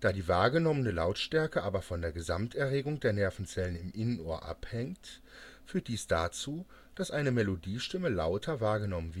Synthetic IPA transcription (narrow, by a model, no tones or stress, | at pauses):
d̥aːdiːvaːɐɡənɔmənəlaʊtʃtɛɐkəʔaːbɐfɔndeːɐɡəzamtɛɐʁeːɡʊŋdeːɐnɛɐfn̩t͡sɛlənɪmʔɪnənʔoːɐʔa̰phɛŋt | fyːɐt̚d̥iːsd̥aːt͡suː | d̥asʔaɪnəmɛlodiːʃtɪməla̰ʊtʰɐvaːɐɡənɔmənvɪ